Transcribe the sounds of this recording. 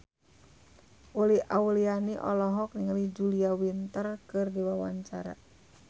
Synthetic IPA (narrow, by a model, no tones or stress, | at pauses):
ʔuliʔaulianiʔɔ̰lɔɦɔk̚niŋalid͡ʒuliawint̪ərkɨrdiwawaɲt͡ʃaɾa̰